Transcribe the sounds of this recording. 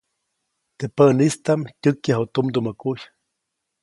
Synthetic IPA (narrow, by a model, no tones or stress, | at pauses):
t̪epənist̪amtʲɨkjaɦut̪umd̪umakuj